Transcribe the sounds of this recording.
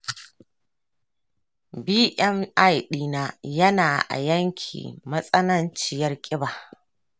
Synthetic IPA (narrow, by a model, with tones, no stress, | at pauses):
biː˦ʔɛ˦ma˦˨jɗiː˦naː˦jɐ˦naː˨ʔa̰˨jɐ˦ŋkʲʰḭː˨mɐ˦sʼɐ˦nɐ˦nt͡ʃɪ˨jɐ˦rkʲʼɪ˦baː˨